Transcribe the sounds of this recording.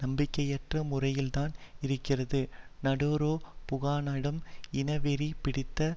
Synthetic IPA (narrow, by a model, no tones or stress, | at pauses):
nɐmbɪkːɐjɛʈrɐmʊrɐjɪlt̪aːnɪɾɯkːɪrɐðɯnɐɽoːɾoːpʊɣaːnɐɽɯmɪnɐʋɛɾipɪɽɪt̪ːɐ